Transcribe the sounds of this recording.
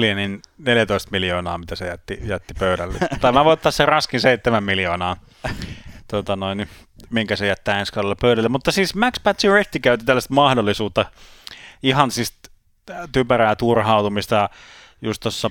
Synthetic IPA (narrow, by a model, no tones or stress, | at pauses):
lieninneljæt̪oist̪miljoːnɑːmit̪æsejæt̪ːijæt̪ːipøyɾælːḛt̪ɑiminæʋoˑiot̪ːɑserɑskinseit̪ːemæmmiljoːnɑː | t̪ot̪ɑnoini | miŋkæsejæt̪ːæːenskɑlːelːepøyɾælːemmut̪ːɑsiːsmækspæt̪sirekt̪ːikæyt̪it̪ælːæst̪mɑhdolːˑisuːt̪ːɑ | ihɑnsist̪ | t̪ypæræːt̪urhɑˑut̪umist̪ɑjɑ | just̪t̪osːɑ